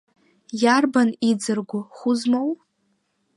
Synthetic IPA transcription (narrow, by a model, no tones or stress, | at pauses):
jarbanid͡zɨrɡʷʊχʷʊzmow